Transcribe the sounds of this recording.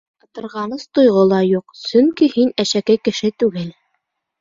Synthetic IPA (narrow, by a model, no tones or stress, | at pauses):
ɤ̆t̪ɤ̆ɾʁɑnɤst̪ŏjʁolˠɑjuqsɵŋkihinæʃækækɘ̆ʃɘt̪ʉɡɘl